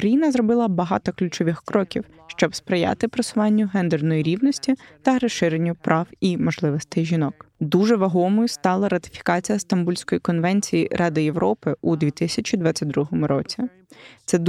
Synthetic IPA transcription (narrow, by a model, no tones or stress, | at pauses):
kɾɐjinɐzɾɔbɪlˠɐbɐɦɑ̰t̪ɔklʲʊt͡ʃɔʋɪxkɾɔkʲiw | ʃt͡ʃɔbspɾɪja̰t̪ɪpɾɐsʊʋɑnʲːʊɦɛnd̪ɛrnɔjiɾʲiwnɔsʲtʲit̪ɐɾɐʃɪɾenʲːʊpɾʔɑwimɔʒlˠɪʋɔst̪ɪʒʲinɔkd̪uʒɛʋɐɦɔmɔjʊst̪ɑlˠɐɾɐt̪ɪ̥fʲi̥kɑt͡sʲijɐst̪ɐmbulʲsʲkɔjikɔnʋɛnʲt͡sʲijiɾʔɑd̪ɪjeʋɾɔpɪud̪ʲʋʲit̪ɪsʲɐt͡ʃid̪ʋɑt͡sʲːɐt̚ʲd̪ɾuɦɔmʊɾɔt͡sʲi | t̪sɛd̪